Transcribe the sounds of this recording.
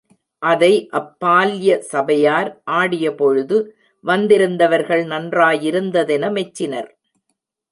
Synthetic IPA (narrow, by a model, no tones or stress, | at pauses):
ʔɐðɐɪʔɐpːaːljɐsɐbɐjaːɾʔaːɽɪjɐpɔɻɯðɯ | ʋɐnd̪ɪɾɯnd̪ɐʋɐɾɣɐɭnɐndraːjɪɾɯnd̪ɐðɛnɐmɛt͡ʃːɪnɐɾ